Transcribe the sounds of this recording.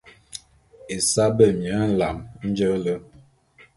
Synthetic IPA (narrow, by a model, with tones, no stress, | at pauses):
e˨sa˦bə˦˨mjə˨˦n̩˦la˨mn̩˦d͡ʒə˦lə˦